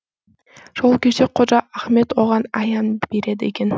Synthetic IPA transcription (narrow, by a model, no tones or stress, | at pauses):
ʒ̥olˠkʲe̞t͡ʃeqʰod͡ʒɑæχme̞t̪woʁɑnɑjɑnb̥e̞ɾe̞d̪ɪekʲe̞n